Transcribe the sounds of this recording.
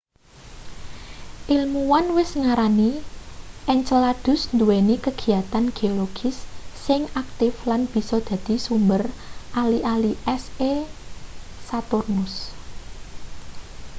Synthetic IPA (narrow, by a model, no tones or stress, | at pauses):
ʔilmuwanwɪsŋaɾani | ʔɛɲt͡ʃəlad̪̥ʊ̤snd̪uwenikəɡ̥i̤at̪anɡ̥eoloɡ̥ɪ̤sːɪŋak̚t̪ɪflanb̥i̤sɔd̪̥ä̤d̪̥i̤sumbərʔaliʔaliʔɛse | sat̪ʊrnʊs